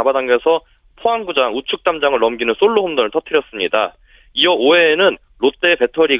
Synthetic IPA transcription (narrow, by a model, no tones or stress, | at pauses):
abadaŋɡesʰʌ | pʰoamɡud͡ʑaŋut͡ɕʰuk̚t͈amd͡ʑaŋɯɭːʌmɡinɯns͈oɭːohomdɯŋɯɭt͈ʰʌtʰɯɾjʌs͈ɯmɲida | iʌoe̞ːnɯn | lot͈e̞pe̞tʰʌɾi